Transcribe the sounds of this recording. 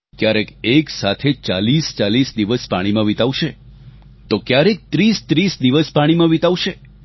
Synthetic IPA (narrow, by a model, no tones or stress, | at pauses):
kjaɾekeksat̪ʰet͡ʃalist͡ʃalisd̪iʋəspa̰ɽ̃imãʋit̪aʋʃe | t̪okjaɾek̚t̪ɾist̪ɾisd̪iʋəspaɽ̃imãʋit̪aʋʃe